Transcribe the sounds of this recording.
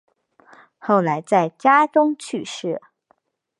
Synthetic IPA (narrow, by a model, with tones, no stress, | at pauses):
xo˥˩ʊla˧˥ɪt͡sa˥˩ɪt͡ɕja˥ʈ͡ʂʊ˥ŋt͡ɕʰy˥˧ʂɻ̩˥˩